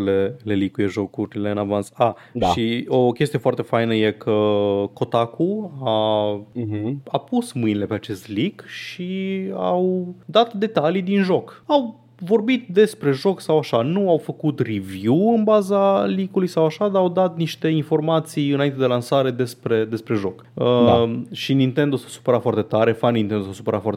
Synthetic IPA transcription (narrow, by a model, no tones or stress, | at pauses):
lele̞likuje̞ʒo̞kuɾʲleɨnavant̪sa | ʃaiokʲe̞st̪ije̞foart̪e̞fajnəje̞kʰəko̞t̪akua | apusmɨjnile̞pe̞at͡ʃe̞st̪likʃia̰wd̪at̪d̪e̞t̪alijd̪inʒo̞kaw | vo̞rbit̪̚d̪e̞spɾe̞ʒo̞ksawaʃanuawfəkut̪rivjuɨnbazalikulujsawaʃad̪aːwd̪at̪̚niʃt̪e̞info̞rmat̪sijɨnaine̞d̪elansaɾe̞d̪e̞spɾe̞d̪e̞spɾe̞ʒo̞kəʃinint̪e̞nd̪osḁsu̥pəɾafoart̪e̞t̪aɾe̞fanint̪end̪osasupəɾafoa̰ɾt̪